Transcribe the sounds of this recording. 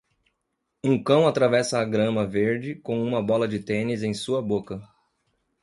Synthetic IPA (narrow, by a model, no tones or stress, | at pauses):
ũkɐ̃w̃at̪ɾavɛsɐːɡɾɐ̃mɐveɾd͡ʒɪkõw̃ũmɐbɔlɐd͡ʒɪt̪ẽnɪzẽj̃suɐbokɐ